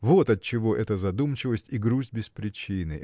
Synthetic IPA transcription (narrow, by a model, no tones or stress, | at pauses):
vot̪ɐt̪̚t͡ɕːɪvo̞ʔɛt̪əzɐd̪umt͡ɕɪvəsʲtʲiɡɾuzʲtʲbʲɪspɾʲɪt͡ɕinɨ